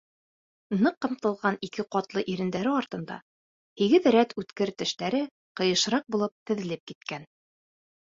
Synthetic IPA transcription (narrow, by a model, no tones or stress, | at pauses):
nɤqːɤ̆mt̪ɤ̆lˠʁɑnikɘqɒt̪lˠɤʔiɾɘ̆nd̪æɾɘɒɾt̪ɤ̆nd̪ɑ̰ | hiɡɘðɾæt̪ʉt̪kɘɾt̪ɘ̆ʃt̪æɾɘ | qɤ̆jɤ̆ʃɾɑq̚bulˠɤp̚t̪ɘ̆ðɘ̆lɘp̚kit̪̚kæn